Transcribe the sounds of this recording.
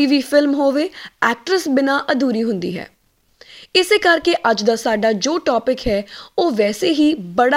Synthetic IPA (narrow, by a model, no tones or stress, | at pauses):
iːʋiːfʰɪlmɦoːʋeːɛːk̚ʈɾəsbɪnaːʔəd̪uːɾiːɦʊ̃nd̪ḭːɦɛ̰ː | ɪseːkəɾkeʔəd͡ʒd̪aːsaːɖaːd͡ʒoːʈɔːpɪkɦɛːoːʋɛːseːɦiːbəɽa